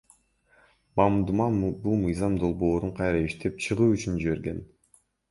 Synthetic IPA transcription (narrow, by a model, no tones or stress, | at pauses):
mɑmd̪umɑbulˠmɯjzɑmd̪o̞lˠbo̞ːɾuɴqʰɑjɾɑiʃt̪ʰe̞p̚t͡ʃʰɯʁuːyt͡ʃynd͡ʒiβe̞ɾɡe̞n